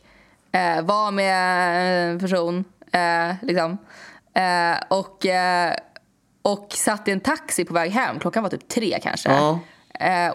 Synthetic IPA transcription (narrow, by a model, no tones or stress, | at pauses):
ɛvameɛnpʰæʂuːn | lɪksɔm | ɔkː | ɔksat̪ːɪɛnt̪ʰaksɪpʰɔvɛːɡɦɛmːkʰlɔkːanvat̪ʰyːp̚t̪ʰɾḛːkʰa̰nʂə̰